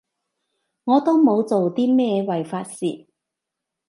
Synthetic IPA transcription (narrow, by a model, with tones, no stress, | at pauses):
ŋɔː˨˧t̪o˥wmo˨˧wt͡so˨wt̪iː˥mɛː˥wɐ˨˩jfaː˧t̚sḭː˨